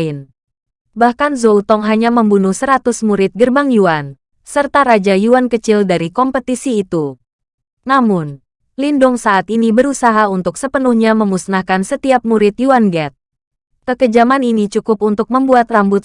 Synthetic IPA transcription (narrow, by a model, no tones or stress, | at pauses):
ɪn | bahkanzolt̪ɔŋɦaɲaməmbunʊhsəɾat̪ʊsmuɾɪt̪̚ɡərbaŋjuan | sərt̪aɾad͡ʒajuankət͡ʃɪldaɾikɔmpət̪isiːt̪u | namʊn | lindʊŋsaat̪inibəɾusaɦaunt̪ʊksəpənuhɲaməmusnahkansət̪iap̚muɾɪt̪juanɡɛt̪̚ | kəkəd͡ʒamaninit͡ʃukʊp̚unt̪ʊk̚məmbuat̪rambʊt̪̚